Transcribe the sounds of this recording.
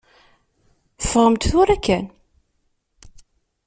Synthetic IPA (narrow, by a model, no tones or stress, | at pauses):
θfəʁəmt̪θʊɾækːæn